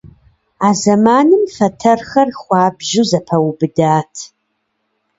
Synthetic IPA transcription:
aːzɐmaːnɨmfɐtʰɐrxɐrχʷɑːbʒɪzɐpʰɐwbɨdaːtʰ

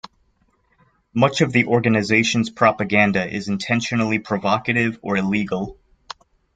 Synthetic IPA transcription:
mʌt͡ʃʌvðiʔɔɹɡɨnɨzeɪʃɨ̃n̩z̥pʰɹ̥ɑpɨɡæ̃ndɨʔɪ̰zɨ̃ntʰɛ̃nʃɨnl̩ˠipʰɹ̥ɨvɑkɨɾɪvə˞ɨliɡl̩ˠ

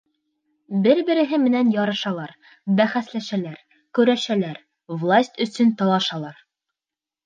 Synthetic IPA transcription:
bɘɾbɘ̆ɾɘ̆ɦɘmɘ̆nænjɒɾɤ̆ʃɑlˠɑɾ | bæχæslæʃælæɾ | kɵ̆ɾæʃælæɾ | vlˠasʲt̪ʲɵ̆sɵnt̪ɑlˠɑʃɑlˠɑɾ

